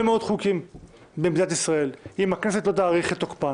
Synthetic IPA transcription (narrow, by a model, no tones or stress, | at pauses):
emeo̞d̪χukim | bemd̪inat̪isʁae̞limakne̞se̞t̪lo̞t̪̬aːʁiχet̪ːokpa